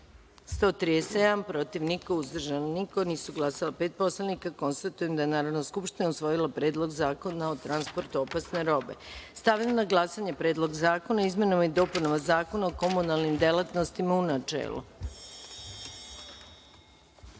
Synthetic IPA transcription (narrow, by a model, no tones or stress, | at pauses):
st̪o̞t̪ɾij̪esed̪ampɾo̞t̪iʋniko̞uzd̪r̩ʒanniko̞niːsuɡlˠasalape̞ːt̪̚po̞slˠanikako̞nst̪at̪uje̞md̪ajenaːɾaʋnoskupʃt̪inausʋo̞jilˠapɾe̞ːd̪lˠo̞ɡzaːko̞naot̪ɾanspo̞ɾt̪uopasne̞ɾo̞be̞̰st̪aʋʎamnaɡlˠasaɲe̞pɾeːd̪lˠo̞ɡzaːko̞naizme̞nomid̪o̞ːpunoʋazaːko̞naoko̞munalnimd̪elˠat̪no̞st̪imaunat͡ʃḛːlˠṵ